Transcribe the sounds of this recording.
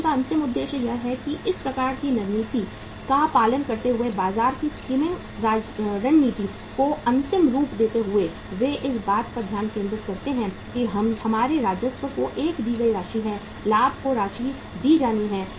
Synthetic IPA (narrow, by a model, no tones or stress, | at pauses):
kaɐ̃nt̪ɪmʊd̪ːeːʃjəjɛɦɛkiʔɪspɾɐkaːɾkinɐɾniːt̪i | kapaːlənkɐɾt̪eɦʊebaːzaːɾkiskiːmɪ̃ŋɡ | ɾaːɾɐnniːt̪i | koɐ̃nt̪ɪmɾuːpd̪eːt̪eɦʊe | ʋeʔɪsbaːt̪kɐd̪ʱjaːnkẽːnd̪ɾɪt̪kɐɾt̪eɦɛ̃ | kiɦɐmhɐmaːɾeɾaːd͡ʒjət̪ʋəkoʔeːkd̪iːɡɐiɾaːʃiɦɛ̃ | laːb̚ʱkoɾaːʃi | d̪iːd͡ʒaːniɦɛ̃ː